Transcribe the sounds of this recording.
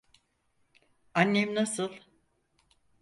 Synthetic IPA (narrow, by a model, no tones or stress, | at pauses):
anːejmnasɯlˠ